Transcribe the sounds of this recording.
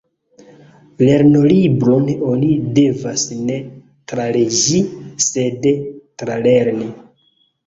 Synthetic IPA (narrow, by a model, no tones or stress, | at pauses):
le̞ɾno̞libɾono̞nide̞vasne̞ | tɾaleʒisedtɾaleɾni